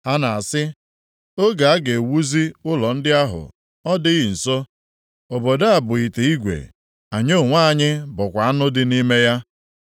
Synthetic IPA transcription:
ha˦na˨a˨sɪ˦ | o˦ɡa˨a˦ɡe˨wu˦zi˦ʊ˦lɔ˨n̩˦dɪ˦a˦ɦʊ̰˨ | ɔ˦dɪ˦ɣi˨n̩˨so˦ | o˨bo˨da˦a˨bʊ˨i˨te˨i˦ɡʷḛ˨ | a˨ɲo˦˨ŋʷa˦a˨ɲɪ˦bʊ˨kʷa˨a˦nʊ˦dɪ˦ni˦me˦ja˦

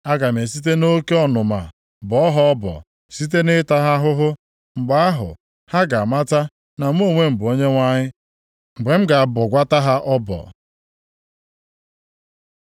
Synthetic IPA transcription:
a˦ɡa˨m˨e˨si˦t̬e˦no˦ke˦ɔ˦nʊ˨ma̰˨ | bɔ˨˦ɔ˦ɦɔ˦ɔ˦bɔ̰˨ | si˦t̬e˦nɪ˦ta˦ɦa˦ɦʊ˦ɦʊ˦ | ŋ͡m̩˨ɡ͡ba˨a˦ɦʊ̰˨ | ha˦ɡa˨a˨ma˦ta˦ | na˨m˦o˦˨ŋʷe˦m̩˨bʊ˨o˦ɲe˦ŋʷa˦ɲɪ˦ | ŋ͡m̩˨ɡ͡be˨m̩˦ɡa˨a˨bɔ˨ɡʷa˦ta˦ɦa˦ʔɔ˦bɔ̰˨

